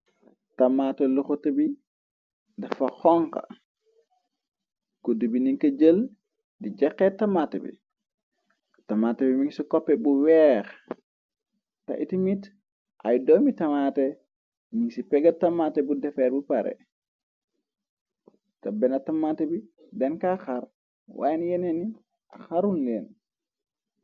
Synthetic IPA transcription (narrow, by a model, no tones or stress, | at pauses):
tamatɛlɔxɔtɐbi | dafaxɔŋka̰ | kodibiniŋkɐd͡ʒəl | did͡ʒɛkːɛtamatɛbḭ | tamatɛbimiŋsikɔpːɛbuwɛɾ | ta̰ʔitimit | ʔajdɔmitamatɛ | miŋsipɛɡatamatɛbudɛfɛɾbupaɾɛ̰ | kɐbɛnɐtamatɛbi | dɛnkaxaɾ | wa̰jnjɛnɛni | ʔaxaɾunleːn